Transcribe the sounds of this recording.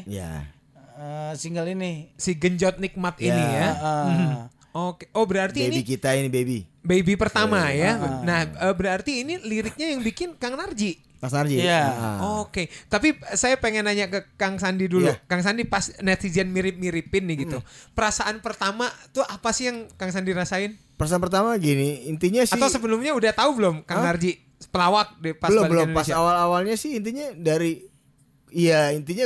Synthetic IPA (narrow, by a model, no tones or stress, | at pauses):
ja̰ | əsiŋɡalinisiɡəɲd͡ʒɔt̪̚nik̚mat̪inijamm̩ | okeʔobəɾart̪iniikit̪ainibebibebipərt̪amajanahəbəɾart̪iːniliɾɪk̚ɲajaŋbikɪnkaŋnard͡ʒi | kanard͡ʒijaoket̪apisajapeŋɛnaɲakəkaŋsandidulukaŋs̬andipasnɛt̪id͡ʒənmiɾɪp̚miɾipɪnːɪhɡit̪upəɾasaʔanpərt̪amat̪uʔapasɪhjaŋkaŋs̬andiɾasaɪn | pəɾasanpərt̪amaɡinɪint̪iɲasatɪawsəbəlʊmɲaudaht̪aubəlʊmkaŋnard͡ʒiʔ | pəlawak̚dipasəlʊbəlʊnasawalawalɲasɪhint̪̬iɲadaɾi | jaint̪iɲa